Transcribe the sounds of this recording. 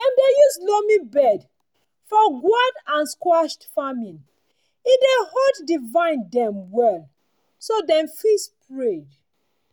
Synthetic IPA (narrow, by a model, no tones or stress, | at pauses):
ɛ̃mdejuslɔmibɛd | fɔɡwadãnskɹaʃtfamĩn | idɛhɔddivãɪ̃ndɛ̃mwɛl | sodɛ̃mfispɹed